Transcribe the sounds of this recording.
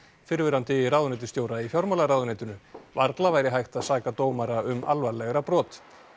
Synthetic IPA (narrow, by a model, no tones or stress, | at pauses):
fɪɾvɪɾant̪ɪɾawðʏnɪt̪ɪst̪joːwɾaifjawɾmalaɾawðʏnɛt̪ʏnʏvaɾt̪lavajɾɪɦajxt̪aðsaːkat̪oːwmaɾaʏmʔa̰lvaɾlɛɣɾapɾɔːt̪